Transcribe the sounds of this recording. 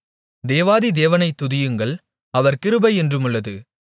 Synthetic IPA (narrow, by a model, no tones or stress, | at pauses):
d̪eːʋaːðid̪eːʋɐnɐɪt̪ːʊðɪjɯŋɡɐɭ | ɐʋɐɾkɪɾɯbɐɪɛndrɯmɯɭːɐðɯ